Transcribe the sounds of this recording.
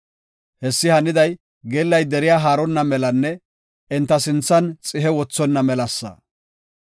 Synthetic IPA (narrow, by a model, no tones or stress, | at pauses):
hɛsːɪhɐnɪd̪ɐj | ɡeːlːɐjd̪ɛɾɪjaːɦaːɾɔnːɐmɛlɐnːɛ | ɛnt̪ːɐsɪnt͡sːɐnt͡sʼɪɦɛwɔt͡sːɔnːɐmɛlɐsːɐ̰